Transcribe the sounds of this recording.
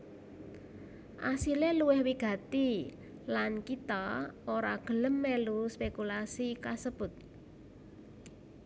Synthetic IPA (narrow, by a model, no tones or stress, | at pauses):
ʔa̰sileluwɪhwiɡ̥ä̤t̪i | lankit̪aoɾa̰ɡ̥ə̤ləmːeluspekulasikasəb̥ʊt̪̚